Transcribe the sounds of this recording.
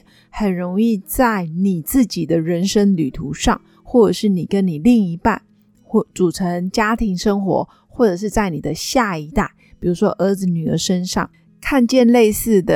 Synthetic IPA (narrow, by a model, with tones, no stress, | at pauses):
xə˨˩nɻo˧˥ŋi˥˧t͡sa˥˩ɪni˨˩t͡sɹ̩˥˩t͡ɕi˨˩d̪ə˦ɻə˧˥nʂə˥ŋly˨˩t̪ʰu˧˥ʂɑ˥˩ŋ | xwɔ˥˩ʈ͡ʂɤ˨˩ʂɻ̩˥˩ni˨˩kə˦˥nni˨˩li˥˩ŋi˧˥pa˥˩n˥˩ | t͡su˨˩ʈ͡ʂʰə˧˥ŋt͡ɕja˥t̪ʰi˧˥ŋʂə˥ŋxwɔ̰˧˥ | xwɔ˥˩ʈ͡ʂɤ˨˩ʂɻ̩˥˧t͡sa˥˩ɪni˨˩d̪ə˦ɕja˥˩i˧˥t̪a˥˩ɪpi˨˩ɻu˧˥ʂwɔ˥ʔə˧˥d͡zɹ̩˧ny˨˩ə̰˧˥ʂə˥nʂɑ̰˥˩ŋ | kʰa˥˧nt͡ɕjɛ˥˧nle˥˧ɪsɹ̩˥˩d̪ə˨˩